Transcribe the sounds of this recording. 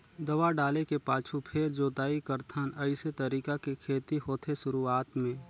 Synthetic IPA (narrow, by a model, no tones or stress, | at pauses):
d̪ɐʋaɖaːlekepaːt͡ʃʰupʰeːɾd͡ʒoːt̪aːikəɾt̪ʰənəɪset̪əɾiːkakekʰeːt̪iɦoːt̪ʰesʊɾuaːt̪mẽː